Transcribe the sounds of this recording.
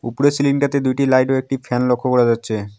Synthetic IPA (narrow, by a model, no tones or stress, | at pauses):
ṵpɾesilinʈat̪ed̪ujʈilajʈoek̚ʈifɛnlokʰːokoɾed͡ʑatːɕʰe